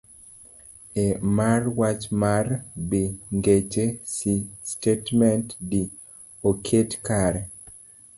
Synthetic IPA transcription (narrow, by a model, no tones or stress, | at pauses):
emarwat͡ʃmarbiŋɡet͡ʃesistetmɛntdi | okʰetkaɾe